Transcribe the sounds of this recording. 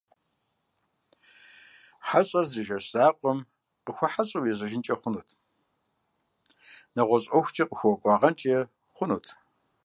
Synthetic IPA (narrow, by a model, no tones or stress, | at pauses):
ħaɕʼɐrziʒɐɕz̥aːqʷʼɔm | qəxʷɐħaɕʼɐwjɛʑɐʒɪnt͡ʃʼɐχʷʊnuːtʰ | nɐʁʷɔɕʼɐxʷt͡ʃʰʼiːqʼəxʷɔkʷʼɑʁɐnt͡ʃʼjɛ | χʷʊnuːtʰ